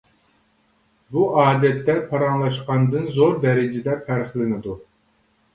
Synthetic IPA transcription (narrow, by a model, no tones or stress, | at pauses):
buʔɑːd̪ɛt̪ːɛpʰɑɾɑŋlˠɑʃqɑnd̪ɨnzoɾd̪ɛɾɪd͡ʒɪd̪ɛfʰæɾχlˠɪnɪd̪u